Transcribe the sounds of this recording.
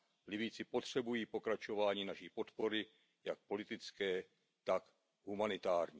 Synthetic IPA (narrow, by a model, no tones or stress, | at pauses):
lɪbit͡sɪpo̞t̪r̝̥ɛbujiːpo̞kɾat͡ʃo̞vaːɲiːnaʃipo̞t̪po̞ɾɪ | jak̚po̞lɪt̪ɪt͡skɛː | t̪ak | ɦumanɪt̪aːɾɲiː